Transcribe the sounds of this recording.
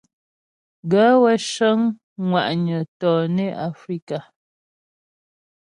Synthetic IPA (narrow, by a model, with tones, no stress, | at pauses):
ɡa˨˦wɛ˦ʃə˦ŋ | ŋwa˨ʔɲə˨tɔː˨ne˦a˨fɾi˦ka˨